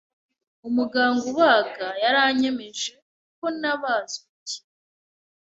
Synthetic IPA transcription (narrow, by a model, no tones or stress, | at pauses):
umuɡaːŋɡowaːɡajaɾaɲemeʒe̞ | uk̚onaβazuci̥